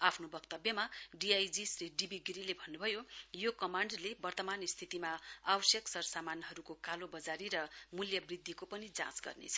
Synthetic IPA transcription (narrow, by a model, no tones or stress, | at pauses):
apʰnobʌkt̪ʌbjʌmaɖiajd͡zisriɖibiɡɾilebʱʌnːubʱʌjojokʌmaɳɖlebʌrt̪ʌmanist̪ʰit̪imaawʌsjʌksʌrsamanɦʌɾukokalobʌd͡zaɾiɾʌmuljʌbrid̪ʱːikopʌnid͡zã̰sɡʌ̰rnḛt͡sʰʌ̥